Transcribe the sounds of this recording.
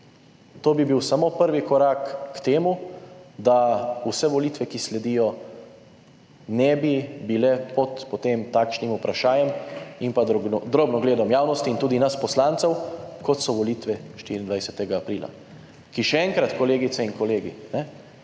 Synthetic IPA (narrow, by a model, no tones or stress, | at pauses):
t̪oːbibiwsamoːpəɾʋikɔɾaːkːt̪eːmud̪ausɛʋɔliːt̪ʋɛkislɛd̪iːjɔ | nɛbibilɛpɔt̪pɔt̪eːmt̪aːkʃnimupɾaʃaːjɛmimpad̪ɾoːbnɔɡleːd̪ɔmjaːwnɔst̪iːnt̪uːd̪inaspɔslaːnt̪sɛwkɔt̪sɔʋɔliːt̪ʋɛʃt̪iɾind̪ʋajsɛt̪ɛɡaːpɾiːla̰ | kiʃɛɛŋkɾat̪kɔleːɡit̪sɛiŋkɔleːɡḭnɛ